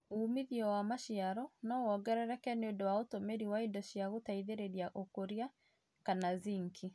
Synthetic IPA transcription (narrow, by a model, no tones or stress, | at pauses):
uːmiðiɔwamaʃiaɾɔnɔwɔɡɛɾɛɾɛkɛneondɔwaotomeɾiwaidɔɕiaɣotaiðeɾeɾiaʔokoɾia | kanaziŋkʰi